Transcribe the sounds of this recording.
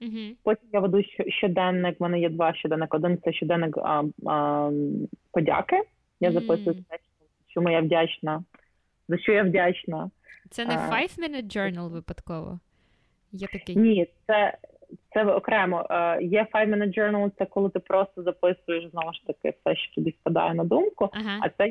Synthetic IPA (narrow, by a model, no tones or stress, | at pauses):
ɦ̩pɔtʲimjaʋed̪uʃt͡ʃɔʃt͡ʃɔd̪ɛnːɪkmɛnɛjɛd̪ʋɑʃʲt͡ʃɔd̪ɛnːɪkɔd̪ɪntsɛʃʲt͡ʃɔd̪ɛnːɪk | pɔdʲa̰kɪ | jazɐpɪsʊjʊt̪ɛʃɔzɐt͡ʃɔmujaʋdʲat͡ʃnɐ | zɐt͡ʃɔjawdʲat͡ʃnɐ | t̪sɛnajʋmɪnɪd͡ʒɛrnɐlˠʋɪpɐd̪kɔʋɔ̰ | jɛnʲit̪sɛ | t̪sɛɔkɾɛmɔʔjɛfajʋmɛnɪt̪̚d͡ʒɔrnɐlˠt̪sɛkɔlˠɪt̪ɪpɾɔst̪ɔzɐpɪsʊjeʃznɔʋʊʃt̪ɐkɪ̰fsɛʃt͡ʃɔ̥t̪ɔbʲispɐd̪ɑ̰jɛnɐd̪umkʊɦɐ̰t̪sɛ